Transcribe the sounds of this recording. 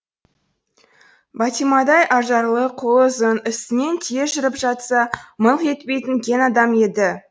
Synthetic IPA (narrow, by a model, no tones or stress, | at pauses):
bɑt̪imɑd̪ɑjʔɑʒɑɾlˠəqʰolˠəzənɪst̪ɪne̞nt̪ʰieʒɪɾɪpʒɑt̪sɑmənqe̞t̪pe̞jt̪ɪnkʲʰe̞nɑd̪ɑme̞d̪ɪ